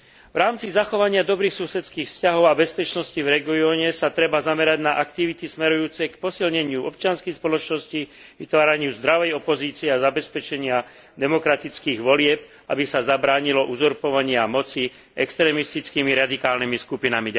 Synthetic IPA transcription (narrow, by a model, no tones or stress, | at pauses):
vɾaːmt͡sizaxɔʋaɲɪad̪ɔbɾiːxsusɛt͡skiːxfscaɦɔʊabɛspɛt͡ʃnɔscivɾɛɡiɔːɲɛsat̪ɾɛbazamɛɾaɟnaʔakt̪iʋit̪ismɛɾujuːt͡sɛjkpɔsilɲɛɲɪuɔp̚t͡ʃɪanskɛjspɔlɔt͡ʃnɔsci | ʋit̪ʋaːɾaɲɪuzd̪ɾaʋɛjɔpɔziːt͡siɛazabɛspɛt͡ʃɛɲɪa | d̪ɛmɔkɾat̪it͡skiːɣʋɔlɪɛp̚ | ʔa̰bisazabɾaːɲilɔʔuzɔɾpɔʋaɲɪamɔt͡si | ɛkst̪ɾɛːmist̪it͡skimiɾad̪ikaːlnimiskupinami